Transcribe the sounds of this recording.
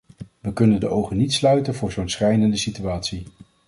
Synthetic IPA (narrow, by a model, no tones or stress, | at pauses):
ʋəkɵnəndəʔowχənitslœɥtənvʊːɹzownsχɛjdəndəsityaːtsi